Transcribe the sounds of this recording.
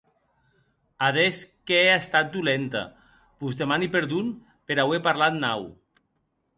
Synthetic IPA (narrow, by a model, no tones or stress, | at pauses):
aðeskeeast̪at̪̚d̪ulent̪a̰ | buzdemanipeɾðun | peɾawepaɾlat̪naw